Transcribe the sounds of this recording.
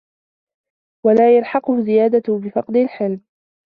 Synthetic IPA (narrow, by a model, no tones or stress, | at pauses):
walaːjalħɑqʊhʊzɪjaːd̪abɪfɑqd̪ɪlħɪlm